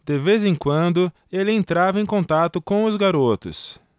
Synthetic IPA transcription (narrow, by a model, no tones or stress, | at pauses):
d̪̥ɪvezẽkwɐ̃nd̪ʊ | elɪẽnt̪ɾavɐẽj̃kõnt̪at̪ʊkõw̃ʊzɡaɾot̪ʊ̰s